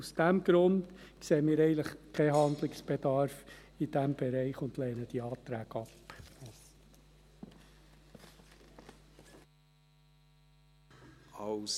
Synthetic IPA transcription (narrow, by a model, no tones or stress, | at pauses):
usd̥æmɡ̥ɾʊndkseːəmiːɾɛɪənləχkʰɛɦɑnd̪lɪksb̥edɑɾf | id̥æmb̥ɛɾɛɪχʊnd̥lɛːnəd̥iɑːt̪ɾæːɡ̥ɑp | ɑs